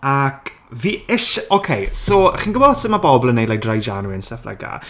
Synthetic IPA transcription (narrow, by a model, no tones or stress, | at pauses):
akʰ | viːɪʃʔokʰejsɔχiːnɡəbɔsəmabɔbɔlˠənejlajdrajd͡ʒanwiənsɛflɛ̰ɡa̰